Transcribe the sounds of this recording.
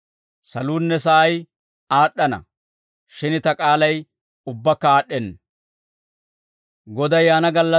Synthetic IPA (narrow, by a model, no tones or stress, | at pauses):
sɐluːnːɛsɐʔɐj | aːɗːɐnɐ̰ | ʃɪnɪt̪ɐkʼaːlɐj | ʊbːɐkːɐaːɗːɛn | ɡɔd̪ɐjaːnɐɡɐlːɐ